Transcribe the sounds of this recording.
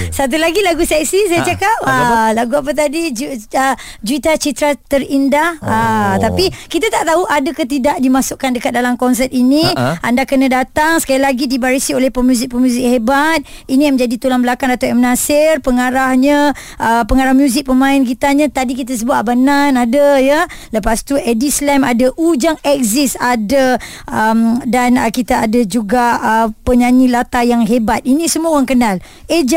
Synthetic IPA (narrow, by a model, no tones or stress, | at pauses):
sat̪̬ulaɡilaɡusɛk̚sisajat͡ʃakap̚əlaɡuap̬ət̪̬adid͡ʒuə | d͡ʒuit̪at͡ʃit̪ɾat̪əɾindahət̪apikit̪at̪aʔt̪auʔadakət̪idaʔdimasʊʔkandəkat̪̚dalamkɔns̬ɛt̪inĩandakənãdat̪aŋsə̥kalilaɡidibaɾisiolɛhpəmjuzɪk̚pəmjuzɪk̚hebat̪̚inijamə̃d͡ʒadit̪ulanbəlakaŋdat̪aɛmnasɪrpəŋaɾahɲə | ʔəpəŋaɾahmjuzɪk̚pəmãɪnkit̪aɲãt̪adikit̪̬as̬əbut̪bananadəjaləpast̪uʔɛdislɛmadaʔud͡ʒaŋɛk̚zisada | ʔəmdanəkit̪aadad͡ʒuɡaəpəɲaɲilat̪ajaŋɦebat̪̚inĩsəmuaoaŋkənal | ed͡ʒ